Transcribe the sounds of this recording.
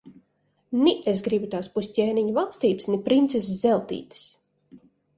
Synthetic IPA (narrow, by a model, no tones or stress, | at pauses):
niʔes̬ɡɾibut̪aːspusʲcʲeːniɲɔvalˠst̪iːpsnɛpɾint̪ses̬zɛlˠt̪ḭːt̪i̥s